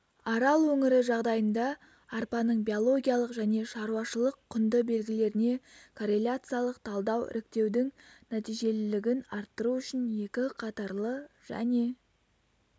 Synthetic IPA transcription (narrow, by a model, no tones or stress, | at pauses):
ɑɾɑlˠwɵŋɪɾɪʒɑʁd̪ɑjənd̪ɑː | ɾpɑnəɴbio̞lˠo̞ɡʲijalˠəqʒæne̞ʃɑɾuɑʃəlˠəqʰːʊnd̪əbe̞lɡʲɪle̞ɾɪne̞kʰo̞ɾe̞lʲat̪sɨjalˠəqt̪ʰɑlˠd̪ɑwɪ̰ɾɪk̚t̪e̞wd̪ɪŋnæt̪ijʒe̞lɪlɪɡʲɪnɑɾt̪ːəɾuʏʃɪnje̞kʲɪqʰɑt̪ɑɾlˠəʒ̥æ̰ne̞